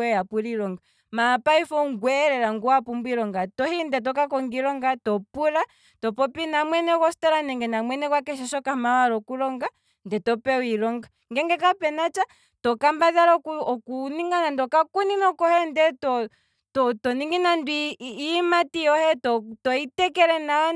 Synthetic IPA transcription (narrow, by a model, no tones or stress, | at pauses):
ɛapuɾilɔŋɡa | maːpaifɔŋɡwɛɾɛɾaŋɡuapumbuiɾɔŋɡatɔhindɛt̬ɔkakɔŋɡiɾɔŋɡatɔpuɾa | tɔpɔpinamwɛnɛkwɔstaɾanɛŋɡɛnamwɛnɛkwak̬ɛʃɛʃɔkamawaɾɔkulɔŋɡa | ndɛtɔpɛuilɔŋɡa | ŋɡɛŋɡɛkapɛnat͡ʃa | tɔkambaðaɾɔkuɔkuniŋɡanandɔkakuninɔkɔhɛndɛtɔ | tɔtɔniŋɡinandiːmatiɔhɛtɔtɔitɛkɛɾɛna